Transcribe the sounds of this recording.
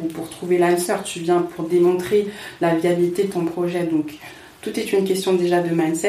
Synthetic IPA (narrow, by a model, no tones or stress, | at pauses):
upuʁt̪χuvelamsœʁt̪yvjɛ̃pʰuʁd̪emɔ̃t̪χelaviabilit̪ed̪ət̪ɔ̃pχɔʒɛd̪ɔ̃k | t̪ut̪ɛt̪ynkʲɛst̪jɔ̃d̪eʒad̪əmansɛ